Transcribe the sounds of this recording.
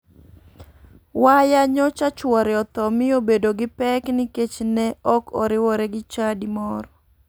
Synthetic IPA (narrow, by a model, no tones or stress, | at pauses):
wajaɲɔt͡ʃat͡ʃwɔɾɪɔt̪ɔmɪobedoɡɪpɛknɪket͡ʃnɛɔkʰɔ̰ɾɪwɔɾɛɡɪt͡ʃadimɔɾɔ